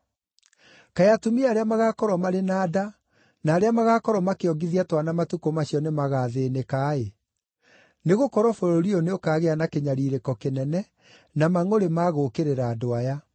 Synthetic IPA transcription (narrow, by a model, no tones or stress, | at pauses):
kajatumiaːɾeamaɣakɔɾwɔmaɾenaːda | naːɾeamaɣakɔɾɔmakeɔɡiðiatwanamatukomaɕjɔnemaɣaːðeːnekaːe | neɣokɔɾwɔfoɾoɾiɔneokaːɣeanakeɲaɾiɾekɔkenɛnɛ | namaŋoɾemaɣokeɾeɾaːdoaja